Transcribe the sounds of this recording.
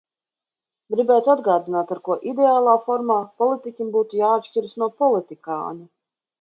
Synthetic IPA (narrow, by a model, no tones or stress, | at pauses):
ɡɾibɛːjt̪ad̪ɡaːd̪inaːt̪aɾkuɔʔid̪ɛaːlˠaːfɔɾmaːpɔlˠit̪ikʲimbuːt̪ujaːt̪ʃcʲiɾsnuɔpɔlˠit̪ika̰ːnu